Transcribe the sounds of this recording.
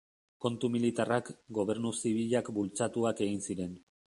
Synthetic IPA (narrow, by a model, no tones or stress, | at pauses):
ko̞nt̪umilit̪arakɡo̞β̞e̞ɾnusiβ̞iʎakbult͡sat̪uake̞ɣinsiɾe̞n